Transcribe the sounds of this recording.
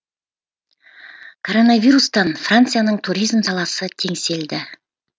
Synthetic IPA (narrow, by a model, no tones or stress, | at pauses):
kʰo̞ɾonavʲiɾust̪ɑnfrant̪sɨjanəɴt̪ʰuɾijzmsɑlˠɑsət̪ʰe̞ŋse̞ld̪ɪ